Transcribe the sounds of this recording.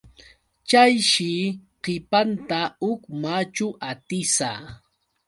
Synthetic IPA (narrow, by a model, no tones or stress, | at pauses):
t͡ʃajʃɪqɪpant̪aʊkmat͡ʃʊʔat̪ɪsa